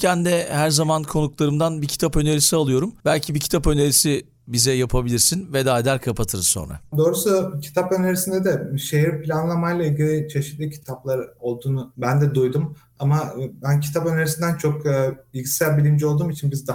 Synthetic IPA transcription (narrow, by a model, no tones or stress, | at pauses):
cʰænd̪ɛhæɾzamankʰo̞nuklˠaɾɯmd̪anbicʰi̥t̪ʰapø̞neɾisialˠɯjo̞ɾumbælʲcʰibicʰit̪ʰapø̞neɾisi | bizɛjapʰabilʲiɾsinvɛd̪aːd̪æɾkʰapʰat̪ʰɯɾso̞̰nɾa̰d̪o̞ːɾusulˠacʰi̥t̪ʰapø̞neɾisind̪ɛd̪ɛʃeɦiɾpʰilʲanlˠamajlˠailʲɟilʲit͡ʃʰe̞ʃit̪lʲicʰi̥t̪ʰaplˠaɾo̞lˠd̪uːnubænd̪ɛd̪ujd̪um | amabæncʰi̥t̪ʰapø̞neɾisind̪ænt͡ʃʰo̞k̚ːbilʲɟisæɾʲbilʲimd͡ʒio̞lˠd̪uːmit͡ʃʰinbizd̪a